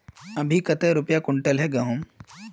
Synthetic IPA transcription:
əbʱikət̪əɾupjakuɳʈəlɦɛɡəɦum

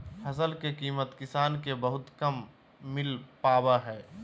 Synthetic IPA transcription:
hɐsəlkekiːmət̪kɪsaːnkebəɦʊt̪kɐmː | ɪlpaːbaɦɛː

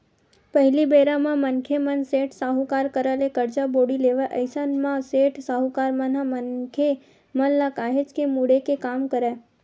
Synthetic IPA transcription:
pəɦlibeɾãmãmənkʰemənseʈsaɦũkaɾkəɾalekəɾt͡ʃaboɽileʋaʔəjsənmãseʈsaɦũkaɾmə̃nãmənkʰe | mənlakaɦet͡ʃkemuɽekekamkəɾe

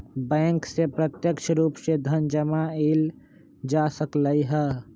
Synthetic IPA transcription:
bɛ̃ːŋksepɾət̪jəkʃʰɾuːpsed̪ʱənd͡ʒəmael | d͡ʒasəkləiɦɛ

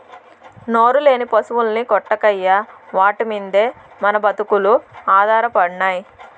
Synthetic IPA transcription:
no̞ːɾule̞ːnipɐsuʋulɐnikɔʈːɐkɐjːaʋaːʈimind̪e̞ː | mɐnɐbɐt̪ukuluaːd̪ʱaːɾɐpɐɽnaːji

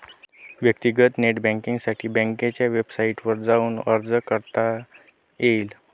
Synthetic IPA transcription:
ʋjək̚t̪iɡət̪neʈbɛ̃ŋkiŋɡsaʈʰiːbɛ̃ŋket͡ɕjaʋebsaiʈʋəɾd͡zauːnəɾd͡zəkəɾt̪a | jeil

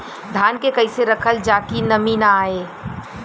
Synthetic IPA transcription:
d̪ʱaːnkekəɪseɾəkʰəld͡ʒaːkinɐminaaːeː

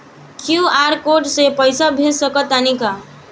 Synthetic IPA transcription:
kʰjuaɾkoʈsepʌjsabʱesʌkʌt̪anika

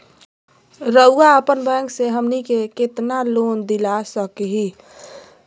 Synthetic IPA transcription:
ɾəʊaəpənbɛ̃ːŋkseɦəmnikekɪt̪naloːnd̪ilasəkɦi

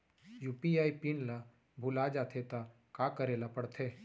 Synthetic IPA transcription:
juːpiaːipinla | bʱʊlad͡ʒaːt̪ʰet̪a | kakəɾelapəɽt̪ʰeː

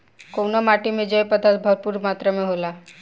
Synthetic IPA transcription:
kownamaʈimẽd͡ʒəjpəd̪ʱat̪̚bʱəɾpuɾmat̪ɾəmeɦola

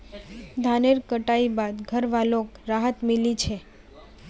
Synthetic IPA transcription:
d̪ʱaneɾkəʈaibad̪ɡʱəɾʋalokɾaɦət̪melit͡ʃʰe

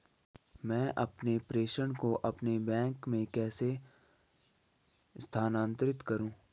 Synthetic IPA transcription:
mɛ̃ːʔɐpnepɾeːʃəɽ̃koʔɐpnebɛ̃ːŋkmẽkɛːse | st̪ʰaːnãːnt̪ɾɪt̪kɐɾũː

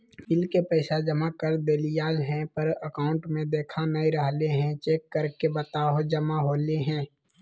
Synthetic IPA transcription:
fɪlkepɛɪsad͡ʒəmakəɾd̪eːlijaːlɦɛ̃pəɾəkaːʊ̃ɳʈmẽd̪eːkʰanəiɾəɦleɦɛ̃t͡ʃeːkːəɾkebət̪aːɦod͡ʒəmaɦoːleɦɛ̃ː

